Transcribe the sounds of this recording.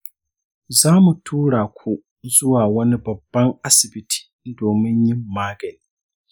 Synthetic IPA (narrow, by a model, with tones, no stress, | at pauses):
zaː˦mu˨tʰuː˦ɽaː˨kʷʰu˦ | zʊ˦waː˨wɐ˦ni˦bɐ˨bːɐ˦ŋʔa˦sɪ˨bɪ˦tʰi̥ː˨doː˨mɪ˦ɲjɪ˦mːaː˦ɡɐ˨li˨